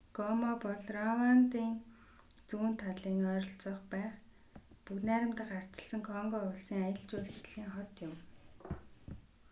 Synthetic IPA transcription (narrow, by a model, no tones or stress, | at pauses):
ɡ̥ɔmɔpɔɮrɔwant̪iːŋ | t͡suːnt̪ʰaɮiːŋœːɾɞ̆ɬt͡sɔːχpæːχ | puknæːɾʲɪ̆mt̪ə̆χar̥t͡ɕɪə̆ɮsə̆ŋkʰɔŋɡɔːʊɮsiːŋajə̆ɮt͡ɕuːɮt͡ɕɮiːŋχɔt̪jʊm